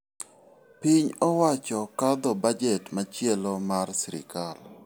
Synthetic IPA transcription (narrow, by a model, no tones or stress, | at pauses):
piɲɔwat͡ʃɔkad̪ɔbad͡ʒɛtmat͡ʃjɛlomarsiɾɪ̰kal